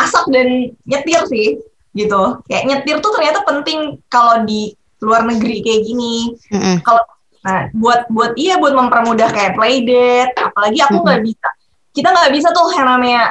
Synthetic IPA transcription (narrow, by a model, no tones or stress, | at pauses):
ʔasak̚danɲət̪ɪrsɪh | ɡit̪ukajaʔɲət̪ɪrt̪ut̪ərɲat̪apənt̪ɪŋkalodi | luarnəɡɾikajaɡini | kala | nabuat̪̚buat̪̚iabuat̪̚məmpərmudahkajaplaidɛt̪̚apalaɡiakuŋɡaʔbisa | kit̪aŋɡaʔbis̬at̪ʊhajanamaɲa